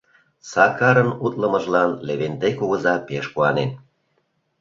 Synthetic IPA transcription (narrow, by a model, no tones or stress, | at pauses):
sɑkɑɾənut̪ləmə̆ʒlɑnleβend̪ekuɣə̆zɑpeʃkuɑnen